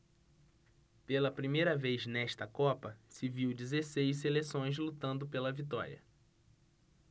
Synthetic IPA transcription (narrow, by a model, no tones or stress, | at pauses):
pelɐpɾimejɾɐvejznɛʃt̪ɐkɔpɐsɪviwd͡ʒizesejʃs̬elesõj̃zlut̪ɐ̃nd̪ʊpelɐvit̪ɔ̰ɾʲiɐ̰